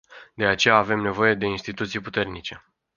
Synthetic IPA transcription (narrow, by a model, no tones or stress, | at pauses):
d̪e̞at͡ʃe̞jaːve̞mne̞vo̞je̞d̪e̞inst̪it̪ut̪sijput̪e̞rnit͡ʃe̞